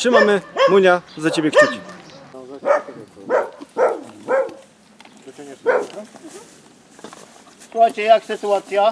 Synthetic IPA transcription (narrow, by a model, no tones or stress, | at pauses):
ʂɘmamɘmuɲʲazat͡ɕebʲjɛxt͡ɕɛt͡ɕ | suxajt͡ɕɛjaksɘt̪uat̪sʲja